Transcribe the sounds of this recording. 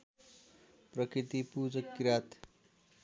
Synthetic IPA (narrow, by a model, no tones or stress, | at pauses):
prʌkɾit̪ipud͡zʌkːɾat̪